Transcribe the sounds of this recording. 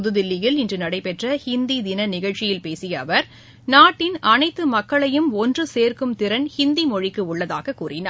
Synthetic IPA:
ʊðɯðɪlːɪjɪlɪndrɯnɐɽɐɪpɛʈrɐhɪnd̪id̪ɪnɐnɪɣɐɭt͡ʃɪjɪlpeːsɪjɐːʋɐɾ | naːʈːɪnʔɐnɐɪt̪ːɯmɐkːɐɭɐjɯmɔndrɯseːɾkɯmt̪ɪɾɐnhɪnd̪imɔɻɪkːɯʊɭːɐða̰ːɣɐkːuːrɪna̰ː

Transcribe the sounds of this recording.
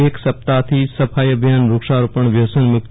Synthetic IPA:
eksəp̚t̪at̪ʰisəpʰajəbʱjanɾukʃaɾupəɳʋjəsənmʊk̚t̪

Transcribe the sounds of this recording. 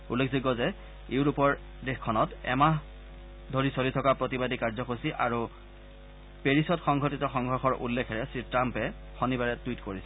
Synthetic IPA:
ulːekʰziɡɔzɛ | eʊɹupɔɹ | dexkʰːɔnɔtɛ̰ma | dʱoɹisolitʰɔkapɹotibadʱikaɹzɔkosiʔaɹu | peɹisɔtxɔŋɡʱotitɔxɔŋɡʱɔɹxɔɹʔṵlːekʰɛɹɛsɹitɹampɛ | xonibaɹɛtwitkoɹisɛ

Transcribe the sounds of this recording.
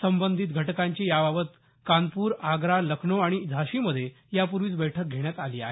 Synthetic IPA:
səmbənd̪ʱiːt̪ɡʱəʈkaɲt͡ɕijaʋaʋət̪ | kanpuːɾaɡɾaləkʰɳoaɽ̃id͡zʱaɕiməd̪ʱːje | japuɾʋiːt͡sbəjʈʰək̚ɡʱeɽjat̪aliːa̰ɦe

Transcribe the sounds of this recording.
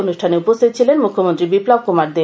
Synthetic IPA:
onuʃʈʰaneupost̪ʰit̪̚t͡ɕʰilenmukʰːomont̪ɾibiplab̚kumaɾd̪e

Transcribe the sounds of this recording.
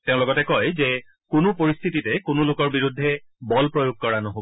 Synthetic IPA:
teʊ̃lɔɡɔtɛkɔjze | konupoɹist̪ʰititɛkonulokɔɹbiɹud̪ʱːɛbɔlpɹojoɡ̚kɔɹanɔɦob

